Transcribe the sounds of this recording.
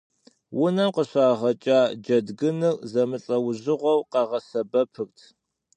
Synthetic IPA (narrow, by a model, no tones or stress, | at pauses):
wʊnɐmqəɕaːʁɐt͡ʃʼaːd͡ʒɐdɡɨnɨrzɐmɨɬʼɐwʊʑɪʁʷɔwqɑʁɐsɐbɐpʰɨrtʰ